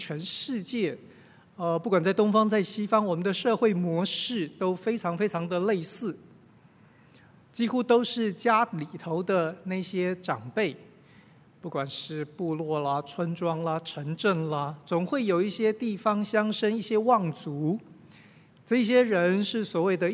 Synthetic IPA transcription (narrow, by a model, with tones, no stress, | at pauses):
t͡ɕʰɥɛ˧˥nʂɻ̩˥˧t͡ɕjɛ˥˩ | ə˧pu˥˩kwa˨˩nt͡sa˥˩ɪt̪ʊ˥ŋfɑ˥ŋt͡sa˥˩ɪɕi˥fɑ˥ŋwɔ˨˩mə˦nd̪ə˧ʂɤ˥˧xwe˥˩ɪmwɔ˧˥ʂɻ̩˥˩t̪o˥ʊfe˥ɪʈ͡ʂʰɑ˧˥ŋfe˥ɪʈ͡ʂʰɑ˧˥ŋd̪ə˧le˥˧ɪsɹ̩˥˩ | t͡ɕi˥xu˥t̪o˥ʊʂɻ̩˥˩t͡ɕja˥li˨˩t̪ʰo˧˥ʊd̪ə˧na˥˩ɪɕjɛ˥ʈ͡ʂɑ˨˩ŋpe˥˩ɪ | pu˥˩kwa˨˩nʂɻ̩˥˧pu˥˧lwɔ˥˩lə˩ʈ͡ʂʰwə˥nʈ͡ʂwɑ˥ŋlə˨ʈ͡ʂʰə˧˥ŋʈ͡ʂə˥˩ŋlə˩t͡sʊ˨˩ŋxwe˥˩ɪjo˨˩ʊi˥˩ɕjɛ˥t̪i˥˩fɑ˥ŋɕjɑ˥ŋʂə˥ŋi˥˩ɕjɛ˥wɑ˥˩ŋt͡su˧˥ | ʈ͡ʂɤ˥˧i˥˩ɕjɛ˥ɻə˧˥nʂɻ̩˥˩swɔ˨˩we˥˩ɪd̪ə˩